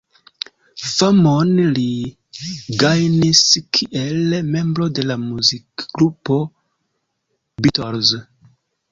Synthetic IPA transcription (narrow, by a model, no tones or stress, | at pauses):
famonli | ɡajniskʰiʔelme̞mbɾo̞de̞lamuzikɡɾupo̞ | bitoɾz